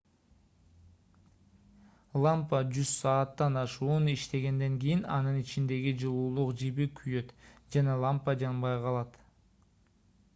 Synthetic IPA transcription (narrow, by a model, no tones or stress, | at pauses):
lˠampəd͡ʒyz̥sɑːt̪ːɑnɑʃuːniʃt̪e̞ɡe̞nd̪e̞ŋɡʲijinɑ̰nɯnit͡ʃind̪e̞ɡid͡ʒɯlˠuːlˠuqd͡ʒibikʰyjø̞t̪d͡ʒɑnɑlˠampəd͡ʒɑnbɑjqʰɑlˠɑt̪